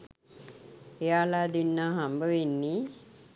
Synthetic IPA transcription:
ejaːlad̪inːaɦambəʋinːi

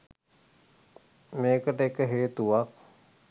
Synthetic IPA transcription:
meːkəʈəekəɦeːt̪uʋak̚

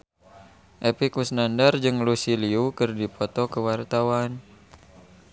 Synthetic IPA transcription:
ʔepikusnandard͡ʒɨŋlusiliukɨrdipɔt̪ɔkəwart̪awan

